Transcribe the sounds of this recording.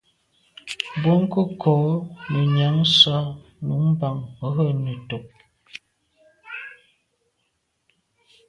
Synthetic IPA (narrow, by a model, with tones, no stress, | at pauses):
bo˦ŋ˦kə˦kʰo˨˦nə˨ɲa˨˦ŋ˦sa˦nu˨˦m˦ba˨ŋə˨˦ɦə˦nə˨to˨k̚